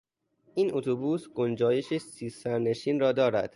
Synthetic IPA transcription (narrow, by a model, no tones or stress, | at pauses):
ʔiːnʔot̪ʰobuːsɡond͡ʒɒːje̞ʃesiːsæɾne̞ʃiːnrɒːd̪ɒːɾæ̰d̪̥